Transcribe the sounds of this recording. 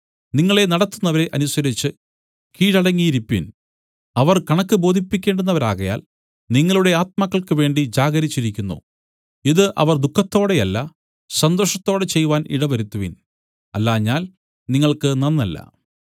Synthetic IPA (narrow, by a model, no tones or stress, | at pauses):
niŋːɐɭe̞nɐɽɐt̪ːunːɐʋɐɾe̞ʔɐnusɐɾit͡ɕːɨ | kiːɽɐɽɐŋːijɾipːin | ɐʋɐrkɐɳɐkːɨbo̞ːd̪ʱipːikʲːe̞ːɳɖunːɐʋɐɾaːɣɐja̰ːl | niŋːɐɭuɽe̞aːt̪̚mɐkːɐɭkɨʋe̞ːɳɖid͡ʑaːɡɐɾit͡ɕːiɾikʲːunːṵ | iðɨʔɐ̰ʋɐrd̪ukʰːɐt̪ːo̞ːɽe̞ɐlːɐ | sɐnd̪o̞ːʂɐt̪ːo̞ːɽet͡ɕe̞jːuʋaːnʔḭɽɐʋɐɾut̪ːuʋḭn | ɐlːaːɲːaːl | niŋːɐɭkɨnɐnːɐlːɐ̰